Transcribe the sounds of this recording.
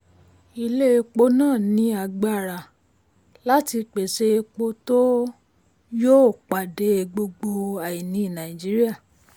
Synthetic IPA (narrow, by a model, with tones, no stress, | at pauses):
i˧le˦˧k͡po˦nãː˦˨nĩ˨˦a˧˨ɡ͡ba˦˨ɾa˨ | la˦ti˧k͡pe˨se˧k͡po˧to˦ | joː˦˨k͡pa˨de˨˦e˧ɡ͡bo˧ɡ͡bo˧a˨i˨nĩ˨˦i˦˨nã˨ĩ˨d͡ʒi˨˦ɾi˦a˦˨